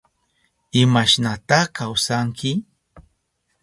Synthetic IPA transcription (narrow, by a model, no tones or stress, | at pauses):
ɪmaʃnat̪aχkawsaŋkʰɪ